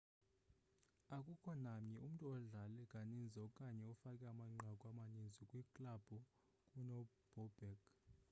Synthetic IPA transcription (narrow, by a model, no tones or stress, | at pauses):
akʼukʰɔnamɲɛum̩tʼuɔɮalɛkʼanind͡zʱɛɔkʼaɲɛɔfakʼɛamaŋ͡ǃʱakʼwamanind͡zʱikʼwikʼlab̥ʱɔ | kʼunɔ | b̥ʱɔb̥ɛk